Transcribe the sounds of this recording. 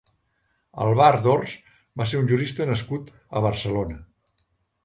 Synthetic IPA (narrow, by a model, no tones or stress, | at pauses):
ə̰lˠβaɾðorz | baseɾunʲʒuɾist̪ənəskut̪ | əβ̞əɾsəlonə